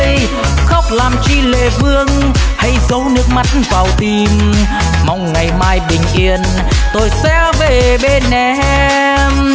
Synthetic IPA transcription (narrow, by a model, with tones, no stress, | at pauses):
j | xə˦˥wk͡p̚laː˨˩mt͡ɕi˧lḛ˧˨vɨ˧əŋha˧jzə˨˦wnɨ˦˥ək̚ma˨˦˥t̚vaː˨˩wt̪i˨˩m | ma˧wŋ͡mŋa˨˩jmaː˧jɓï˨˩ŋ̟ʔi˧˩ən | t̪o˧jsɛ˧˥ve˨˩ɓe˧nːɛ˨˩ʔɛ˧ | m